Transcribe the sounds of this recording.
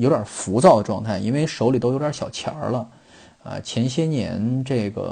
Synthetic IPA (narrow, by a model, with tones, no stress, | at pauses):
jo˧˥jɐ˨˩fu˧˥t͡sɑ˥˩ʊd̪ə˩ʈ͡ʂwɑ˥˧ŋt̪ʰa˥˩ɪʔḭ˥nwe˥˧ɪʂo˧˥ʊli˨˩o˥ʊj̪ʲɕjɑ˨˩ʊt͡ɕʰjɑ̰˧˥lə˧ | ɐ̰˧˩t͡ɕʰjɛ˧˥nɕjɛ˥njɛ̰˧˥nʈ͡ʂɤ˥˩ɪɡə̰˩